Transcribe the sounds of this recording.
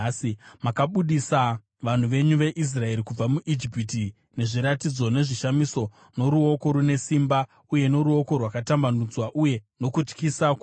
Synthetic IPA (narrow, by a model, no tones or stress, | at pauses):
simakaɓuɗisa | ʋan̤uʋe̞ɲuʋe̞ʔis̬rae̞ɾikub͡vamuʔid͡ʒipiti | ne̞ʐiɾatid͡zo̞ne̞ʐiʃamiso̞ | no̞ɾuo̞ko̞ɾune̞simba | uje̞no̞ɾuo̞ko̞rwakatambanud͡zwaʔuje̞no̞kut͡ʃkisak